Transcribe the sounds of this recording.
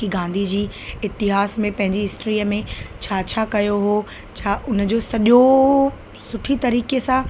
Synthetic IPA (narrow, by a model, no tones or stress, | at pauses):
iɡãːn̆d̪ʱid͡ʑiː | ɪt̪ɪɦaːsmẽpɐ̃ɦɪ̃ɲd͡ʑiɦɪsʈɾiːəmẽt͡ɕʰaːt͡ɕʰaːkɐjoɦoː | t͡ɕʰaːʔʊnə̆d͡ʑoːsɐʄo | sʊʈʰit̪ɐɾiːkesã